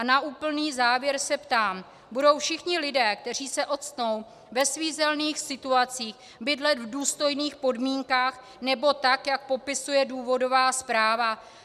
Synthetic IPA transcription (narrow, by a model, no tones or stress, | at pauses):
anaʔuːpl̩niːzaːvjɛɾsɛpt̪aːm | budo̞wfʃɪxɲɪlɪdɛːk̚t̪ɛr̝iːsɛʔo̞t̪st̪no̞w | vɛsviːzɛlniːxsɪt̪uat͡siːx | bɪdlɛt̪vduːst̪o̞jniːxpo̞dmiːŋkaːx | nɛbo̞t̪akjak̚po̞pɪsujɛduːvo̞do̞vaːspɾaːva